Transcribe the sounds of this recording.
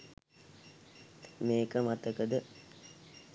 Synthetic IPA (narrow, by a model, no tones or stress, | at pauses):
meːkəmat̪əkəd̪ə